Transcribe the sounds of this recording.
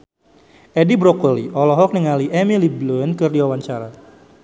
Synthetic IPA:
ʔɛdibɾɔkoliʔɔlɔɦɔk̚nəŋaliʔɛmiliblunkɨrdiwawaɲt͡ʃaɾa

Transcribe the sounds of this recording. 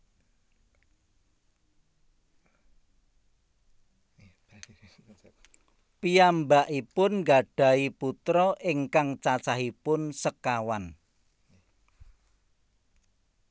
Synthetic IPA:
pijambaʔipʊnŋɡaɖ̥ä̤iput̪ɾɔʔɪŋkaŋt͡ʃat͡ʃaɦipʊnsəkawan

